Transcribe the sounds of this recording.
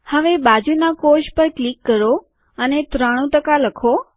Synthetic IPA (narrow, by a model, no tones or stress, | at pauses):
həʋebad͡ʒunakoʃpəɾklikːəɾo | ənet̪ɾaɽ̃ũtəkaləkʰo